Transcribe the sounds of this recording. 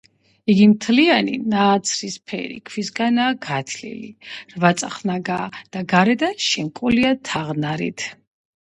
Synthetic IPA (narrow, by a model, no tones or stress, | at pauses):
iɡimt̪ʰlianḭnaːt̪sʰɾispʰɛ̰ɾḭkʰwisɡanaːɡat̪ʰlḭlḭɾvat̪sʼa̰χnaɡaːd̪̥aɡaɾɛd̪aʃɛŋkʼuliat̪ʰaʁnaɾḭt̪ʰ